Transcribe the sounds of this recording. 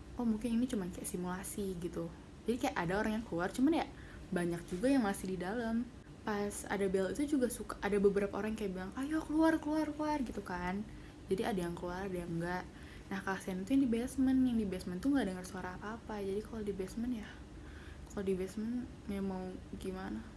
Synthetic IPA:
ʔɔmuŋkɪninit͡ʃumankajaʔsimulasiɡit̪u | d͡ʒadikajaʔadaoɾaŋjaŋkəluart͡ʃumanja | baɲak̚d͡ʒuɡajaŋmasɪhdidaləm | pasa̰dabɛlit̪ud͡ʒuɡasukaʔadabəbəɾapaoɾaŋkajaʔbilaŋʔajakəluarkəluarkluarɡit̪ukan | d͡ʒadiadajaŋkluaradajaŋɡaʔ | nahkaasianit̪ujaŋdibɛsmənjaŋdibɛsmɛnt̪uŋɡaʔdəŋərsuaɾaːpaːpad͡ʒadikalodibɛsmənjah | kalodibɛsmən | meamaŋɡimana

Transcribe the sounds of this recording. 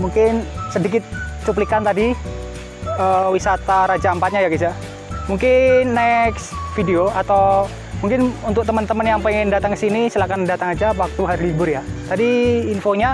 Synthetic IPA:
muŋkɪnsədikɪt̪̚sup̬likant̪adi | əwisat̪aɾad͡ʒampat̪̚ɲajaɡisa | muŋkɪnːɛksfideoat̪aw | muŋkɪnunt̪ʊk̚t̪əmənt̪əmənjaŋpəŋɛndat̪aŋkəsinisəlakandat̪aŋad͡ʒaːpwak̚t̪uɦaɾilibʊrjat̪adiːnfoɲa

